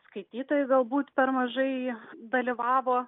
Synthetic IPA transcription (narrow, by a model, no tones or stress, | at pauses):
skɐɪt̪ʲiːt̪oːjɪɡɐlˠbuːt̪pʲɛɾmɐʒɐɪd̪ɐlʲɪʋɑːʋoː